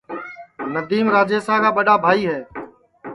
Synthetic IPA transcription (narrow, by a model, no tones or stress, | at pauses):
nəd̪iːmɾaːd͡ʒeːsaːkaːɓəɗaːbʱaːiːɦɛː